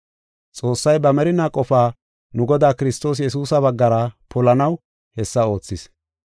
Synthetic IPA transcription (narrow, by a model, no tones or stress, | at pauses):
t͡sʼo̞ːsːɐjbɐmɛɾɪnakʼɔfaː | nʊɡɔd̪aːkɪɾɪst̪o̞ːs̬jɛs̬uːsɐbɐɡːɐɾɐpʰɔlɐnɐw | hɛsːɐo̞ːt͡sːɪs